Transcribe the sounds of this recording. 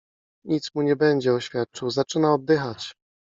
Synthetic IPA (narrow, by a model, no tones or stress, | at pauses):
ɲit̪smuɲɛbɛɲd͡ʑɛɔɕfʲjat̪̚t͡ʂɘwzat͡ʂɘnaɔd̪̚d̪ɘxat͡ɕ